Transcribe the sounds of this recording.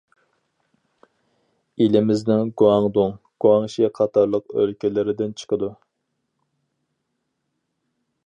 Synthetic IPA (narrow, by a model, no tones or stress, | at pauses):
ilɪmɪznɪŋɡuɑŋd̪ʊŋ | ɡ̥uɑŋʃiqʰɑt̪ʰɑɾlˠəqø̰lkʲɪlɪɾɪd̪ɪnt͡ʃʰə̥qʰəd̪u